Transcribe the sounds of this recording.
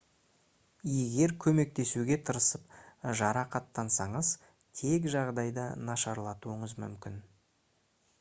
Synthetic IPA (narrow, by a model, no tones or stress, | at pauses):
je̞ɡʲe̞ɾkʲʰɵme̞k̚t̪e̞suɡʲe̞t̪ʰəɾəsəpʒɑɾɑqɑt̪ːɑnsɑɴəz | t̪ʰe̞k̬ʒɑʁd̪ɑjd̪ə̰nɑʃɑɾlˠɑt̪uəɴəzmʏ̰mkʲɪn